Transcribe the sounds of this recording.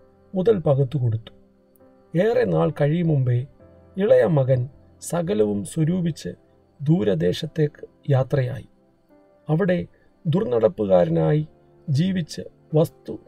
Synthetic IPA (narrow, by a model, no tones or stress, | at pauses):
muðɐlpɐɣut̪ːukoɽut̪ːu̥ | eːre̞naːɭkɐɻijmumbe | iɭɐjɐmɐɣɐn | sɐɣɐlɐʋumswɐɾuːbʱit͡ɕːɨ | d̪uːɾɐd̪e̞ːɕɐt̪ːe̞ːkːɨ̥ | jaːt̪rɐja̰ːji | ɐʋiɽe̞ | d̪urnɐɽɐpːuɣaːɾɐnaːji | d͡ʑiːʋit͡ɕːɨ | ʋɐst̪u